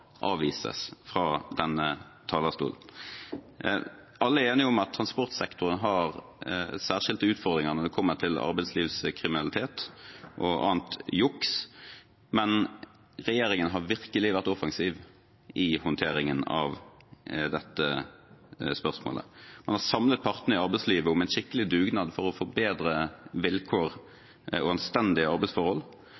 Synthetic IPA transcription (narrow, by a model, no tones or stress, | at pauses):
ʔɑːʋiːsə̰sfʁɑːd̪ɛnːə | t̪ʰɑːlɑst̪ṵːln̩ | ɑlːəæɾeːnɪʊmɑt̪ʰːɾɑnspɔʁt̪sɛkt̪ʊʁənɦɑʁ | sæːʁʂɪlt̪əʉːt̪fɔʁd̪ɾʁɪŋəʁnɔʁd̪ɛkʰɔmːət̪ʰɪlɑ̰ɾbæɪd̪sliːʋskʰʁɪmɪnɑlɪt̪ʰeːt̪ʔɔʔɑ̰ːnt̪jʊks | mɛn | ɾɛjeːɾɪŋənɦɑʁʋɪʁkəlɪʋæʁt̪ɔfɑŋsiːʋ | ɪhʊnt̪ʰeːɾɪŋənɑ̰ʋ | d̪ɛt̪ːə | spœʁsmo̰ːlə̰mɑ̰nhɑʁsɑmlət̪̚pʰɑʁt̪nəɾɪɑɾbɛɪsliːʋəʊmɛɪnʃɪkːəlɪd̪ʉːɡnɑːd̪fɔɾɔfɔɾbeːd̪ɾəʋɪlkʰoːɾ | ɔɑnst̪ɛnd̪ɪəɑɾbɛɪsfɔɾhɔl